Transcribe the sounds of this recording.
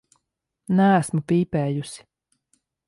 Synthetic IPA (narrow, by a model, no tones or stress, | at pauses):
næːsmupiːpɛːjusi̥